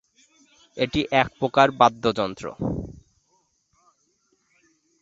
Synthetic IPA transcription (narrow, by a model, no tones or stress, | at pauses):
eʈiʔɛk̚pɾokaɾbad̪ʱːod͡ʑɔnt̪ɾo̰